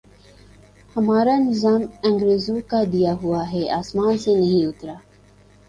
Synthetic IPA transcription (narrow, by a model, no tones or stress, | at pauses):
hɐmaːɾanɪzaːmɐ̃ŋɡɾeːzũkad̪ijaɦuaɦɛaːsmaːnsenɐɦĩʊt̪ɾaː